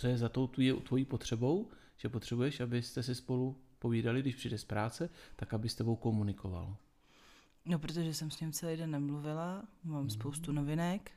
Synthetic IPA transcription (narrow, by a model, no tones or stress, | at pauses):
t͡sojɛzat̪owt̪vjɛt̪vo̞jiːpo̞t̪r̥ɛbo̞w | ʒ̥ɛpot̪r̥ɛbujɛʃʔabɪst̪ɛs̬ɪspo̞lupo̞viːdalɪɡdɪʃpr̝̥iːdɛspɾaːt͡sɛt̪akabɪst̪ɛbo̞wko̞munɪkʰo̞va̰l | nopɾot̪̬oʒɛsɛmsɲɪmt͡sɛlijdɛnːɛmluvɪlamaːmspowst̪unovɪnɛk